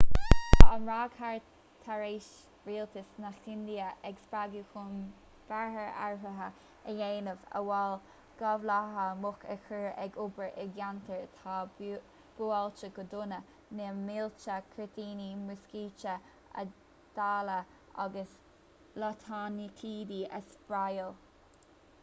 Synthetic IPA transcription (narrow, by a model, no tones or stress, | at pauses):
anɹaːɡhaɹ | t̪ʰːaɹeːʃ | ɹiːlt̪əsnaxɪnd̪iəʔɛɡspɹaɡuxʊm | b̥aɦəɹa̰ɹɦəɦə | əjeːnəvə̰wal | ɡ̥avlaɦəmʊkəkəɹɛɡʊbəɹʔɛɡjant̪ʰəɹt̪ʰaː | b̥ualt͡ʃəɡɔd̪ʊnə | nɛmɪlt͡ʃəkʰɹɪt̪iːnimʊskiːt͡ʃə | ə̰ | d̪̥aːlə | a̰ɡəs | lɔt̪ʰanikʰiːdiʔə̰sb̥ɹajəl